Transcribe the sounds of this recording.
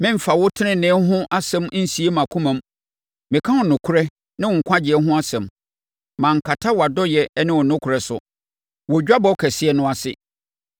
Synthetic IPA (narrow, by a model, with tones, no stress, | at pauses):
mɪ̃˦m̩˨fa˨wʊ˦tʰɪ˦nɪ̃˨nɪ̃˨˦ɦʊ̃˦ʔa˦sɛ̃˦m˦n̩˦si˨˦e˦mã˨kʰũ˦mã˨˦m | mɪ̃˨kʰã˦hʊ̃˨nʊ̃˨kʰʊ˦ɾɛ˦ | nã˦wʊ˨ŋ̩˨kʷʰã˦d͡ʑɪ˨ɛ˦ɦʊ̃˦a˦sɛ̃˨m | mã˨ŋ̩˨kʰa˨tʰa˦wa˨dɔ˦jɛ˨˦nɪ̃˦wʊ˨nʊ̃˦kʰʊ˨ɾɛ˨sʊ̰˨ | wɔ˨d͡ʑᶣa˦bɔ˦kʰɛ˨sɪ˦ɛ˨nʊ̃˦a˨sɪ̰˨